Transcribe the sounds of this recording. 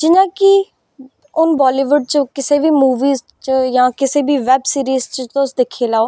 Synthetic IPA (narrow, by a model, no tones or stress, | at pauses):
d͡ʒɪnãːkɪ | ʊnbɔːliːʋʊɖ̚t͡ʃəkɪseːʋiːmuːʋiːz | t͡ʃəjãːkɪseːbʱiːʋɛbsiːɾiːzt͡ʃət̪oʊsd̪eːkʰeːlaːoː